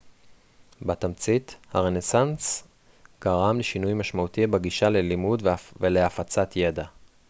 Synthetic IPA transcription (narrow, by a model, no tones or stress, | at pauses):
batamt͡sithaʁenesans | ɡ̥aʁamleʃinujmaʃmaut̪ibeɡiʃalelimudvveleafat͡sat̪ʰje̞da